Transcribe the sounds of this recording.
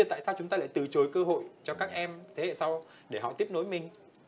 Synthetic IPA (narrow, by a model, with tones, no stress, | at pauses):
t̪a̰ː˧˨jsaː˧wt͡ɕʊ˨˦ŋ͡mt̪aː˧la̰ː˧˨t̪ɨ˨˩t͡ɕo˨˦jkəː˧ɦo̰˧˨jt͡ɕɔ˧kaː˦˥k̚ʔɛ˧mt̪ʰe˨˦ḛ˧˨sa˧w | ɗe˧˩ɦɔ̰˧˨t̪i˦˥əp̚no˨˦jmï˨˩ŋ̟